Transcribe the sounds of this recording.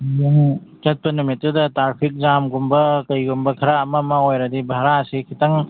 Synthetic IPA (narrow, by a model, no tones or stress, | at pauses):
juŋt͡ʃɐt̚pɐnumit̚ːudɐtaɾpʰik̚zamɡumbɐkɐjɡumbɐkʰɐɾaɐmɐmɐojɾɐdibʱaɾasikʰitɐŋ